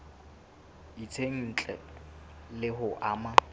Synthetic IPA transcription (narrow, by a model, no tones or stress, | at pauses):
it͡sʰeŋ̩t͡ɬʼɛ̰ | lɪɦʊʔaːma